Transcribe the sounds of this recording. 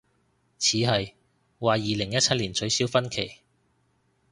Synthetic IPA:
t͡sʰiː˨˥ɦɐ˨j | waː˨jiː˨lɪ˨˩ŋjɐ˥t̚t͡sʰɐ˥t̚liː˨˩nt͡ʃɵ˨˧ɥsiː˨˥wfɐ˥nkʰe˨˩j

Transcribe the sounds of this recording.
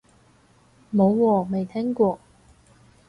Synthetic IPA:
mo˨˧wːɔː˧me˨jt̪ʰɛː˥ŋkʷɔː˧

